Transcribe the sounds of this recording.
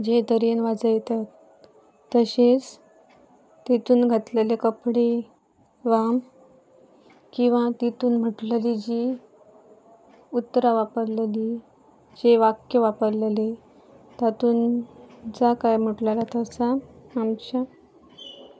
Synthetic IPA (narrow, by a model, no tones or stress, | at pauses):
d͡ʑed̪əɾenʋad͡zəjt̪at̪ː | əɕet͡s | t̪it̪uːnɡʱat̪lelekəpɽe | ʋam | kĩw̃ʋat̪it̪uːnm̤əʈllid͡ʑi | ut̪ːɾaʋapəɾleli | d͡ʑeʋakjəʋapəɾlele | t̪at̪uːnd͡zakajm̤əʈlalat̪əsaamt͡ɕa